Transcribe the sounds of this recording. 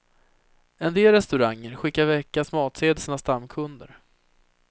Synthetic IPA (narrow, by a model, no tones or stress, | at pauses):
ɛnd̪eːlɾɛst̪ɵɾaŋːəɾɧɪkːaɾvɛkːasmɑːt̪seːd̪əsənast̪amːkʰɵnd̪ə̰ɾ